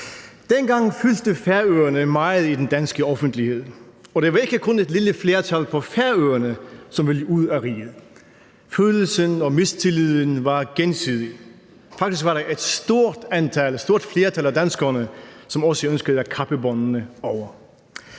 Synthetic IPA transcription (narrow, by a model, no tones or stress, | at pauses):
d̥enɡ̥ɑ̈ŋfyld̥əfæɐøːɐnəmɑ̈ɪð̩ˠid̥end̥ænsɡ̥əɒfn̩d̥lihe̝ð̞̰ˠɒ̽d̥eʋɑ̈e̝ɡ̥əkʰɔ̽ne̝d̥liləfle̝ːɐt͡sʰælpʰɒ̽fæɐøːɐnəsɒ̽mʋe̝ləuð̰ˠæʁḭːð̩ˠ | føːll̩sənɒ̽me̝st͡sʰe̝liðˠənʋɑ̈ɡ̥ensiðˠi | fɑ̈ɡ̥d̥is̬ɡ̥ʋɑɾɑʔed̥sd̥o̝ɐ̰d̥ænt͡sʰælsd̥o̝ɐd̥fle̝ːɐt͡sʰælæd̥ænsɡ̥ɐnəsɒ̽mɒ̽səønsɡ̥əðˠækʰɑ̈b̥əbɒnnəɒʊɐ